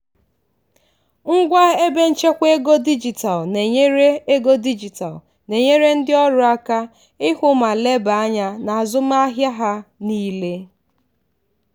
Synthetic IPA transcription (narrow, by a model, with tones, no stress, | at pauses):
ŋ̩˦ɡʷa˦e˦be˦n̩˦t͡ʃe˦kʷe˦ɡo˦di˦d͡ʒi˨ta˨lne˨ɲe˦ɾe˦e˦ɡo˦di˦d͡ʒi˨ta̰˨l | ne˨ɲe˦ɾe˦n̩˦dɪ˦ɔ˦ɾʊ˦a˦ka˦ | ɪ˦hʷʊ˦ma˨le˦ba˨˦ɲa˦na˨a˨zʊ˦m˦a˦ɦja˦ɦa˦niː˦le˦